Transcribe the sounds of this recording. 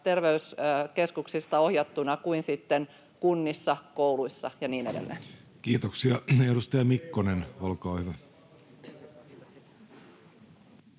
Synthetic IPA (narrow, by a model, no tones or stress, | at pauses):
t̪e̞rʋe̞yske̞skuksist̪ɑohjɑt̪ːunɑkuinsit̪ːen | kunːisːɑkouluisːɑjɑniːne̞dḛlːḛ | kiːt̪oksiɑedust̪ɑjɑmikːonenolkɑːhyʋæ